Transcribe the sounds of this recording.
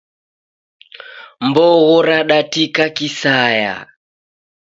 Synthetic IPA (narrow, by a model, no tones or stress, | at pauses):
mbɔɣɔɾaɗatikakisaja̰